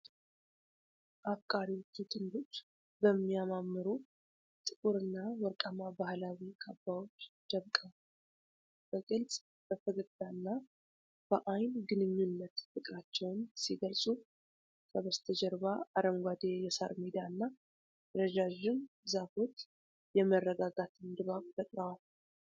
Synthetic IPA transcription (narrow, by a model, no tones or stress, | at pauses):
ʔafkʼaɾiwot͡ʃːut̪ʼɨnd̪ot͡ʃː | bəmːijamamːɨɾu | t̪ʼɨkʼuɾɨnːawɔɾkʼamabahlawikʰʼabːawo̞t͡ʃːd̪̥əβkʼəw | b̥əkʼɨlsʼ | b̥əfʰəɡɨd̪anːa | b̥əʔajnɡɨnɨɲːunːət̪fɨkʼɾat͡ʃːɛwnsiɡəlsʼu | kʰəβəst̪ʰəd͡ʒɛɾβaaɾəmɡʷad̪ejɛsa̰ɾmid̪anːa | ɾəd͡ʒaʒɪn | zafot̪ | jɛmərːəɡaɡat̪ʰɨnd̪ɨβamfət̪ʼɾəwal